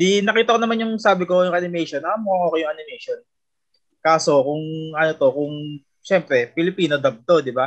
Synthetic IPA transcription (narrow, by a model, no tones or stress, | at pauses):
d̪inɐkiːt̪ɐko̞nɐmanjʊŋsaːbɪkojʊŋʔanɪmɛjʃonʔɐamʊɐŋoːkejʊŋʔanɪmɛjʃon | kaːso̞kʊŋʔɐnot̪okʊŋ | ʃɛmpɾɛpɪlɪpiːno̞d̪ɐb̚t̪o̞d̪ɪba